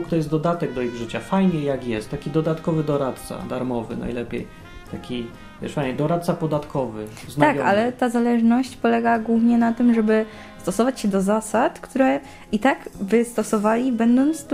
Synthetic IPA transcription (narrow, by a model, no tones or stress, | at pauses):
k̚t̪ɔjɛst̪d̪ɔd̪at̪ɛɡ̚d̪ɔiɣʐɘt͡ɕafajɲɛjakjɛst̪t̪ːakʲid̪ɔd̪at̪kɔvɘd̪ɔɾat̪̚t̪sa̰d̪aɾmɔvɘ̰na̰jlɛpʲjḛj | t̪akʲi | vʲɛ̰ʂfajɲɛd̪ɔɾat̪̚sapɔd̪at̪kʰɔvɘ | znakʲɔa̰lɛt̪azalɛʐnɔɕt͡ɕpɔlɛɡaɡwuvɲɛnat̪ɘmʐɛbɘ | st̪ɔsɔvat͡ɕɕɛd̪ɔzasat̪kt̪ʰuɾɛ | it̪aɡvɘst̪ɔsɔvalʲibɛnd̪ɔnt̪s